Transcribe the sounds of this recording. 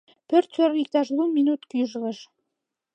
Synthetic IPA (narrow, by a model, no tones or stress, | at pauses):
pørt̪soɾik̚t̪ɑʃluminut̪kyʒləʃ